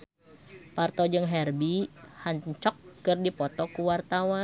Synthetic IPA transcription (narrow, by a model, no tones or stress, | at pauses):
part̪ɔd͡ʒɨŋɦɛrbihaɲt͡ʃɔkːɨrdipɔt̪ɔkuwart̪awa